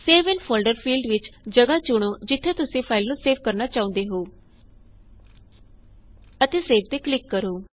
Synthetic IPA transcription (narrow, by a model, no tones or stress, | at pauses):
seːʋənpʰoːlɖəɾpʰiːlɖʋɪt͡ʃd͡ʒəɡaːt͡ʃʊɽ̃oːd͡ʒɪt̪ʰːẽːt̪ʊsẽːpʰaːɪlnũːseːp̚kəɾnaːt͡ʃaːʊ̃nd̪eːɦoː | ət̪eːseːpʰt̪eːklɪkːəɾoː